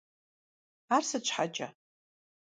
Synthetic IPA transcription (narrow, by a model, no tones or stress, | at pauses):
arsɨt͡ʃʷʰħat͡ʃʼa̰